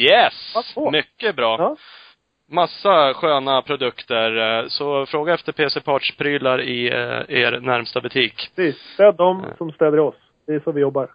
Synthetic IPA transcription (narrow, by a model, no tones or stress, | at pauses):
jɛsmʏkːəbɾɑː | masːaɧøːnapʰɾʊd̪ɵkt̪əɾsɔfɾoːɡaɛft̪əɾpʰeːsɛpʰɑːʈʂpʰɾyːlaɾɪḛːɾnæɾmst̪abɵt̪ʰiːkiːsd̪̥ɛæɖɔmsɔmst̪ɛːd̪əɾɪɔs | d̪̥ɛsɔvɪjɔbːaɾ